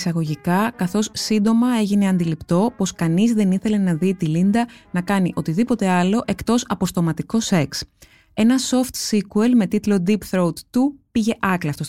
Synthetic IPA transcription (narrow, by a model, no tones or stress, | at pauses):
sɐɣo̞ʝikɐkɐθo̞ssind̪o̞mɐe̞ʝine̞ɐnd̪ilipt̪o̞po̞skɐnizðe̞niθe̞le̞nɐðit̪ilind̪ɐnɐkɐniʔo̞t̪iðipo̞t̪e̞ɐlo̞ʔe̞kt̪o̞sɐpo̞st̪o̞mɐt̪iko̞se̞ks | e̞nɐso̞ft̪sikuelme̞t̪it̪lo̞d̪ipθɾout̪t̪upiʝe̞ʔɐklɐft̪o